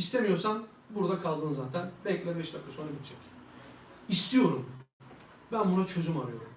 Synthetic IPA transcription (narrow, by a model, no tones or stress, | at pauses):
ist̪ʰemijo̞ɾsan | buɾd̪akʰalˠd̪ɯnzaːt̪ʰænbɛlʲclʲɛbɛʃd̪akʰːaso̞nɾaɟit̪ʰd͡ʒʰɛc | ist̪ʰijo̞ɾum | bænbunat͡ʃʰø̞zymaɾɯjo̞ɾum